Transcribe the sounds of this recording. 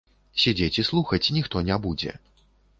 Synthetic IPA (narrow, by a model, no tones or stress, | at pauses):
sʲɛd͡zʲet͡sʲislˠuxɐt͡sʲinʲixt̪ɔnʲɛbud͡zʲɛ̰